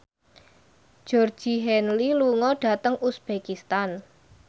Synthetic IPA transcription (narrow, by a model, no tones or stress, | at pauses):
d̥ʒ̥ɔrd̥ʒ̥i̤ɦɛnliluŋɔɖ̥a̤t̪əŋusb̥ekist̪an